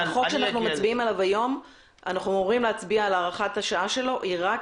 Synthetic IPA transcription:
χokʃeanaaχnumat͡sbiimalavajo̞m | a̰naχnumoʁimleat͡sbiaːlaːʁaχat̪haʃaaʃe̞lo̞ʔiʁak

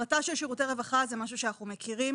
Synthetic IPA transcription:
ataʃelʃiʁuteʁevaχazemaʃ̬uʃeanaχumekʰiʁim

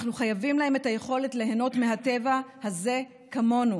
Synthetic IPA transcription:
χnuχajavimlahe̞me̞taje̞χo̞le̞tle̞ɦeno̞tmeɦate̞vahaze̞ | kamo̞nu

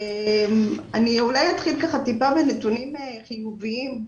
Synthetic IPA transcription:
emaniulajat̪χilkaχat̪ipabenet̪unimeχijuviim

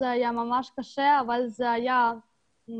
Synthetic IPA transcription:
ɛɦajamamaʃkaʃɛavalzɛaja | m

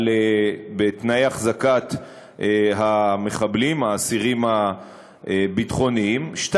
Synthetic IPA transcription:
lebet̪naeaχzakat̪ | ɦame̞χablimaːsiʁimha | ebitχo̞niimʃt

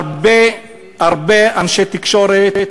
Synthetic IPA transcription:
be | aʁbeanʃet̪ikʃo̞ɾe

